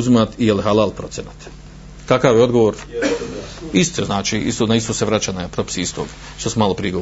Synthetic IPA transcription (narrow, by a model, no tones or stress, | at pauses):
zimat̪ijelɦalˠalpɾo̞t̪sjʲenat̪ | kakaʋjeod̪ɡoʋoːɾ | ist̪oznaːt͡ʃiḭst̪onaist̪oseʋɾat͡ɕanapɾopi̥siist̪oːɡ | ʃt̪osumaːlˠopɾiɡo